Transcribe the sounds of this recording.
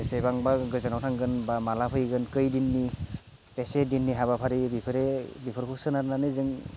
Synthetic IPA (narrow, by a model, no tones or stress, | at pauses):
esejbaŋbaɡɯzanawtʰaŋɡɯnbamalapʰɯjɡɯnkɯjdinːi | pesedinːiɦaβapʰaɾibipʰɯɾebipʰɯɾkʰuksɯnaɾnanɯjzɯŋ